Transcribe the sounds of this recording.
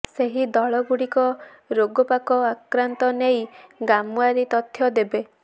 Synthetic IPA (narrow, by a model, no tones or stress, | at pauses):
seɦid̪ɔɭɔɡuɽikɔ | ɾoɡɔpakɔakɾant̪ɔnejɡamuaɾit̪ɔt̪ʰjɔd̪ebe